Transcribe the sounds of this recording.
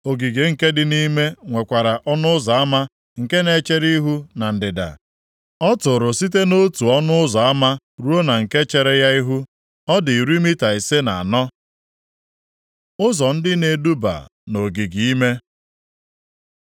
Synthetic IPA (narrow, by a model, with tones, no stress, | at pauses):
o˨ɡi˨ɡe˨ŋ̩˨ke˦dɪ˨ni˦me˦ŋʷe˨kʷa˨ɾa˨ʔɔ˦nʊ˦ʊ˦zɔ˨a˦ma˦ | ŋ̩˨ke˦ne˨˦t͡ʃe˦ɾi˦ɦu˦na˨n̩˨dɪ˨da̰˨ | ɔ˦tʊ˨ɾʊ˨si˦t̬e˦no˦tu˨ɔ˦nʊ˦ʊ˦zɔ˨a˦ma˦ | ɾu˦o˦na˨ŋ̩˨ke˦t͡ʃe˨ɾe˦ja˦i˦ɦu˦ | ɔ˦dɪ˨ɾi˦mi˦ta˨e˨se˦na˨a˨nɔ˦ | ʊ˦zɔ˨n̩˦dɪ˦ne˨du˦ba̰˨no˨ɡi˨ɡi˨i˦me˦